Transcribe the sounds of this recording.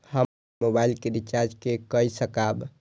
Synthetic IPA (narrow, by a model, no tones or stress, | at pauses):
hə | mobailkeɾit͡ʃaɾd͡ʒkekəjsəkab